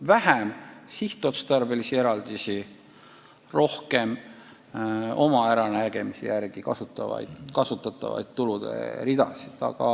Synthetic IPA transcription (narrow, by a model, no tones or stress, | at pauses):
væhæmsiht̪ːˑot̪st̪ɑrbe̞lisie̞ɾɑld̪̥isi | ro̞hke̞m | o̞mɑæɾɑnæɾɡ̥e̞misḛjærɡ̥ikɑsut̪ːˑɑvɑ̰jd̪kɑsut̪ːˑɑt̪ːˑɑ̰vɑ̰jd̪t̪ːulud̪̥e̞̰ɾid̪̥ɑsid̪̥ɑ̰ɡ̥ɑ̰